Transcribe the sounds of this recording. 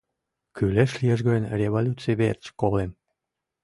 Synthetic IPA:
kyleʃlijeʒ̬ɡɑənrʲeβolʲut̪t͡sijβeert͡ɕkolem

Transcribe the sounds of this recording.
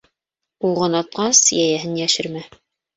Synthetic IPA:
uʁɤnɑt̪̚qɑsjæjæɦɘnjæʃɘɾmæ

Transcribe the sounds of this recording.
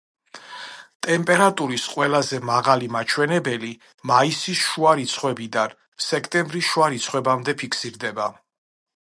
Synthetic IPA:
t̪ʼɛmpʼɛɾat̪ʼuɾisqʼwɛlazɛmaʁalimat͡ʃʰwɛnɛbɛli | maisisʃuaɾit̪sʰχwɛbid̪an | sɛkʰt̪ʼɛmbɾisʃuaɾit̪sʰχwɛbamd̪ɛpʰikʰsiɾd̪ɛba

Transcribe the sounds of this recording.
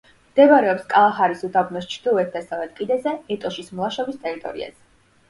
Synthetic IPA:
md̪̥ɛbaɾɛɔpskʼalˠaχaɾisud̪abnɔst͡ʃʰɾd̪̥ilˠuɛt̪̚ʰd̪asavlɛt̪kʼid̪ɛzɛɛt̪ʼɔʃismlˠaʃɔbist̪ʼɛɾit̪ʼɔ̰ɾḭa̰zɛ

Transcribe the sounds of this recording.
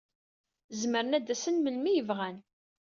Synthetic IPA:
zməɾənæd̪æsənməlmijəvʁæn

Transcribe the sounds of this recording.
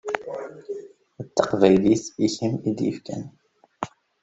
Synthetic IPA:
ət̪ːəqvæjlisiçəmid̪jə̰fkæ̰n

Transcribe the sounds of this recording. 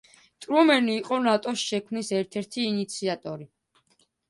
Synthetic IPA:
t̪ʼɾumɛniːqʼɔnat̪ʼɔsʃɛkʰmnisɛɾt̪ʰɛɾt̪ʰiːnit̪sʰiat̪ʼɔɾi

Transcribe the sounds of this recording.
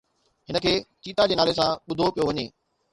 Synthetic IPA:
ɦɪnəkʰeːt͡ɕiːt̪ad͡ʑeːnaːles̬ãɓʊd̪ʱopijoʋɐɲeː

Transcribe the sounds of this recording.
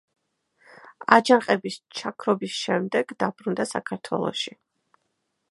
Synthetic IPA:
ad͡ʒaqʼɛbist͡ʃʰakʰɾɔbisʃɛmd̪ɛɡd̪abɾund̪asa̰kʰaɾt̪ʰwɛ̰lˠɔ̰ʃi

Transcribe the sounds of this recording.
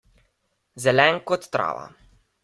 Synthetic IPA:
zɛlɛŋkɔt̪ːɾa̰ːʋa̰

